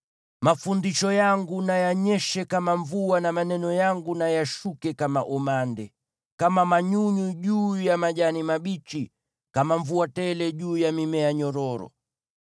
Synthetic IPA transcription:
mafundiʃɔjaŋɡunajaɲɛʃɛkamaɱvuanamanɛnɔjaŋɡunajaʃukɛkamaʔɔmandɛ | kamamaɲuɲuʄuːjamaʄanimaɓit͡ʃi | kamaɱvuatɛlɛʄuːjamimɛjaɲɔɾɔɾɔ̰

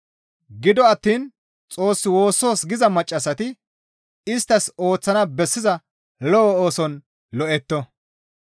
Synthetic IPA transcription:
ɡɪd̪ɔɐt̪ːiːn | t͡sʼo̞ːsːɪwo̞ːsːo̞ːsɡɪzɐmɐt͡ʃʼːɐsːɐt̪ɪ | ɪst̪ːɐso̞ːt͡sːɐnɐbɛsːɪzɐ | lɔɔoːsɔn | lɔʔɛt̪ːɔ

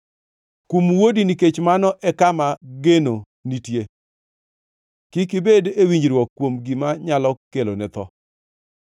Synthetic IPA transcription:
kumwodiniket͡ʃmanɔʔɛkamaɡeno | nitje | kɪk̬ɪbedewiɲd͡ʒɾwɔkːwomɡimaɲalɔkelonɛt̪ɔ

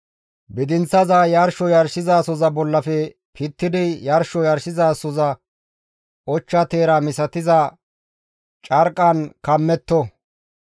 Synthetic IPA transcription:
bɪd̪ɪnt͡sːɐzaːjɐɾʃɔjɐɾsɪzaːsɔzɐbɔlːɐfɛ | pʰɪt̪ːɪd̪ɪjɐɾʃɔjɐɾsɪzaːsɔzɐ | ʔɔt͡ʃːɐt̪e̞ːɾɐmɪsɐt̪ɪzɐ | t͡ʃʼɐɾkʼːɐnkɐmːɛt̪ːɔ

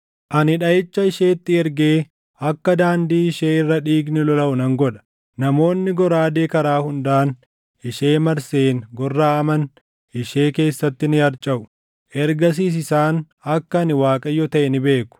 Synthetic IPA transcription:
ʔɐnɪᶑɐʔɛt͡ʃːɐɪʃe̞ːt̪ːɪɛɾɡeː | ɐkːɐd̪aːnd̪iːɪʃeːɪrːɐᶑiːɡnɪlɔlɐʔʊnɐŋɡɔᶑɐ̥ | nɐmo̞ːnːɪɡɔɾaːd̪eːkɐɾaːhʊnd̪aːn | ʔɪʃeːmɐɾseːŋɡɔrːaːɐmɐn | ʔɪʃe̞ːke̞ːsːɐt̪ːɪnɪɐɾt͡ʃʼɐʔʊ̥ | ʔɛɾɡɐs̬iːs̬ɪsaːn | ɐkːɐɐnɪwaːkʼɐjɔt̪ɐʔɛnɪbe̞ːkʊ̥

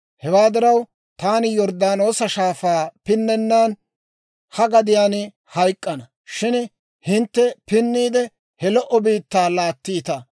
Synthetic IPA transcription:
hɛwaːd̪ɪɾɐw | t̪aːnɪjɔɾd̪aːno̞ːsɐʃaːfaːpɪnːɛnːaːn | hɐɡɐd̪ɪjaːn | hɐjkʼːɐnɐ | ʃɪn | hɪnt̪ːɛpɪnːiːd̪ɛ | hɛlɔʔɔbiːt̪ːaːlaːt̪ːiːt̪ɐ

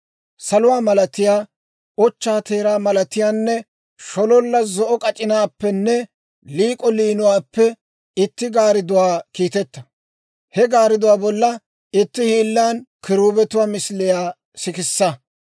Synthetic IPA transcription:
sɐlʊwaːmɐlɐt̪ɪjaː | ɔt͡ʃːaːt̪e̞ːɾaːmɐlɐt̪ɪjaːnːɛ | ʃɔlɔlːɐzɔʔɔkʼɐt͡ʃʼɪnaːpːɛnːɛ | liːkʼɔliːnʊwaːpːɛ | ɪt̪ːɪɡaːɾɪd̪ʊwaːkiːt̪ɛt̪ːɐ̥ | hɛɡaːɾɪd̪ʊwaːbɔlːɐ | ɪt̪ːɪhiːlːaːnkɪɾuːbɛt̪ʊwaːmɪslɪjaː | sɪkɪsːɐ

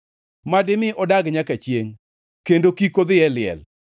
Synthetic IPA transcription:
madɪmɪʔɔdaɡɲakat͡ʃjeŋ | kendokikod̪jɛlɪɛ̰l

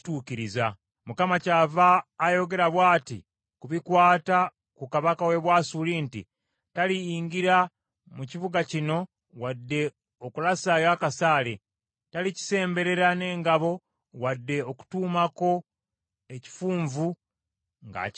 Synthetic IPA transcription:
tuːciɾiza | mukamacaːvaːjo̞ɡe̞ɾaβwaːtḭ | kuβikwaːta | kukaβakawe̞βwaːsuliːntḭ | taliːŋɡiɾa | muciβuɡacino̞ | wadːe̞ | okulasajakasaːle̞ | talici̥se̞ːmbe̞ɾe̞ɾane̞ːŋɡaβo̞ | wadːe̞oku̥tuːmako̞ | e̞ci̥fuːɱvu | ŋɡa̰

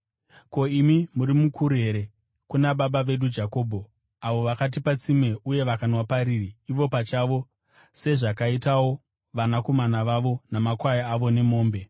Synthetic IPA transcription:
ko̞imimuɾimukʰuɾuɦe̞ɾe̞ | kunaɓaɓaʋe̞ɗud͡ʒako̞ːbʱo̞ | aʋo̞ʋakat̬ipat͡sime̞ʔuje̞ʋakanwapaɾiːriːʋo̞pat͡ʃaʋo̞ | se̞ʐakaitawo̞ | ʋanako̞manaʋaʋo̞namakwajaaʋo̞ne̞mo̞ːmbe̞

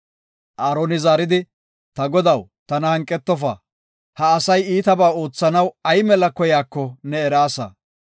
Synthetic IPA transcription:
ʔaːɾoːnɪzaːɾɪd̪ɪ | t̪ɐɡɔd̪ɐw | t̪ɐnɐhɐŋkʼːɛt̪ːɔfa̰ː | hɐːsɐjiːt̪ɐbaːo̞ːt͡sːɐnɐwɐjmɛlɐkɔjaːkːɔnɛːɾaːsɐ̰

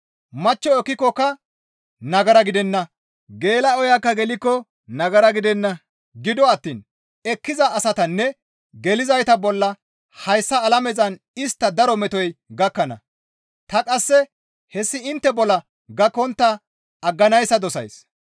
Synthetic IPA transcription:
mɐt͡ʃːɔɛkːɪkːɔkɐ | nɐɡɐɾɐɡɪd̪ɛnːɐ | ɡe̞ːlɐɔjakːɐɡɛlɪkːɔ | nɐɡɐɾɐɡɪd̪ɛnːɐ | ɡɪd̪ɔɐt̪ːḭːn | ɛkːɪzɐʔːsɐt̪ɐnːɛ | ɡɛlɪzɐjt̪ɐbɔlːɐ | hɐjsːɐːlɐmɛzɐn | ɪst̪ːɐd̪ɐɾɔmɛt̪ɔjɡɐkːɐnɐ̰ | t̪ɐkʼɐsːɛ | hɛsːɪɪnt̪ːɛbɔlːɐ | ɡɐkːɔnt̪ːɐ | ɐɡːɐnɐjsːɐd̪ɔsɐ̰js

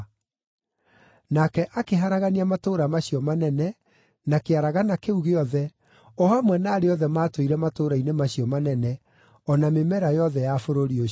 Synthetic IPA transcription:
nakɛʔakeɦaɾaɣaniamatoɾamaɕiɔmanɛnɛ | nakeaɾaɣanakeuɣeɔðɛ | ɔhamwɛnaːɾeɔðɛmaːtwoiɾɛmatoɾainemaɕiɔmanɛnɛ | ɔnamemɛɾajɔðɛjafoɾoɾio

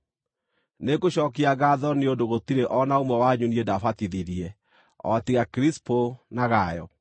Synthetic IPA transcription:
nekoɕɔkiaɣaðɔneondoɣotiɾeʔɔnaomwɛwaɲuniɛdafatiðiɾiɛ | ɔ̰tiɣakɾisponaɣajɔ̰

